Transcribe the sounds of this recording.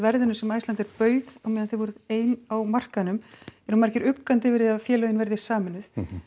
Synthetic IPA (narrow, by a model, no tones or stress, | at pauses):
vɛɾðɪnʏsɛmaːjstlant̪ɛɾpœːɥðawmɛjðanθeðvɔɾɪðeːjnawmar̥kanʏmɛɾhunmaɾcɪɾʏkːant̪ɪvɪɾðɪaðfjɛːlœɥɪnvɛɾðɪ̥saːmɪnːʏθ